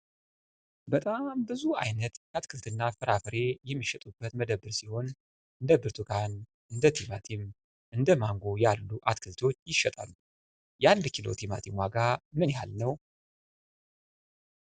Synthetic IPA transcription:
bət̪ʼambɨzua̰jnət̪kat̪kʰɨlt̪ʰɨnːafɨɾafɨɾe̞jɛmːiʃɛt̪ʼubːət̪məd̪əbɨɾsiho̞n | ʔɨnd̪əbɨɾt̪ʰukʰan | ʔɨnd̪ət̪ʰimat̪ʰim | ʔɨnd̪əmaŋɡo̞jalːuʔat̪kʰɨlt̪ʰo̞t͡ʃːjɪʃːɛt̪ʼa̰lːu | jand̪kʰilo̞̰t̪ʰima̰t̪ʰimwaɡamɨnjɛha̰lnəw

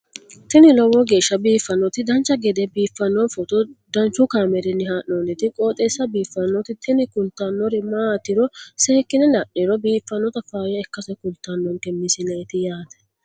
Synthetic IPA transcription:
t̪ɪnɪlɔwɔɡe̞ːʃːɐbiːfːɐnːɔt̪ɪd̪ɐnt͡ʃːɐɡɛd̪ɛbiːfːɐnːɔnfɔt̪ʊd̪ɐnt͡ʃːʊkaːmɛɾɪnɪhaʔnonɛt̪ɪkʼoːt̪ʼeːsːɐbiːfːɐnːɔt̪ɪt̪ʰɪnɪkʊlt̪ːanːɔɾɪmaːt̪ːɪɾɔseːkːɪnɛlɐʔiɾɔbiːfːɐnːɔt̪ɐfaːjɐɛkːɐsɛkʊlt̪ːanːɔŋkɛmɪsɪnɛɛt̪ɪjaːt̪ɛ̥

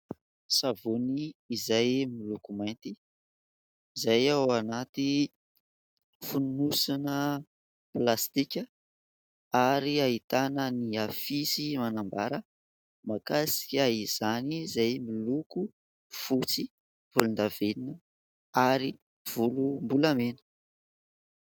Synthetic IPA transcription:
savuniːzajmilukumajnt̪i | zajawanat̪i | funnusanə | plast̪ikʲə | aɾiait̪anəniafisimanambaɾə | makasi̥kʲaiz̥anizajmiluku | fut͡si | v̥ulund̪aveninə | aɾi | v̥ulumbulamenə̥

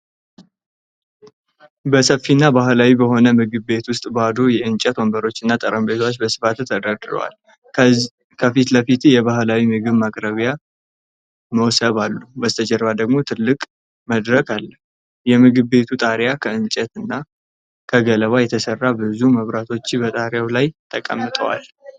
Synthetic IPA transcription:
bəsəfinːabaɦlawibəɦo̞nəmɨɡɨβːe̞t̪wʊst̪ʼbad̪ojɛʔɨnt͡ʃʼɛt̪wombəɾo̞t͡ʃːɨnːat̪ʼəɾəmbet̪ʰwat͡ʃːbəsɨ̥fat̪t̪ʰəd̪ad̪ɨɾə̰wa̰l | kʰəfit̪ləfit̪jɛβaɦlawimɨɡɨβmakʼɾəβja | məwsəβalːubəzɨt̪ʰəd͡ʒɛɾβad̪əɡmo̞t̪ʰɨlːɨkʼ | məd̪ɾəkʰalːəh | jɛmɨɡɨβbe̞t̪ʰut̪ʼaɾjakʰəɨnt͡ʃʼɛt̪ɨnːa | kʰəɡələβajɛt̪ʰəsərːabɨzuməβɾat̪ʰo̞t͡ʃːɪbət̪ʼaɾjawlajt̪ʰəkʼə̰mːɨt̪ʼə̰wa̰l

